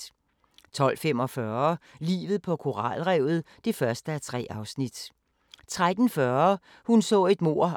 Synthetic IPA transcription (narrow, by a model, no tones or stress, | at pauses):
t͡sʰɒ̽l̰femɒ̽fɶɐlḭːʋð̩ˠpʰɒ̽kʰo̝ʁɑ̰̈ːlʁɛʊð̞̩ˠd̥e̝fɶɐsd̥əæt͡sʰʁɛ̰ːʔɑ̈ʊsnid̥ | t͡sʰʁad̥n̩fɶːɐ | hunsɔ̰̽ːe̝d̥mo̝ɐ̰